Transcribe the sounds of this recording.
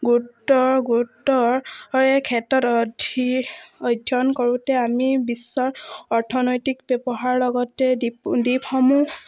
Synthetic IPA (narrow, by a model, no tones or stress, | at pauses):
ɡutːɔɹɡutːɔɹɔɹɛkʰɛtɔtɔdʱiɔjdʱjɔnkoɹutɛamibisːɔɹɔɹtʰɔnojtikbɛbɔɦaɹlɔɡɔtɛddipxɔmu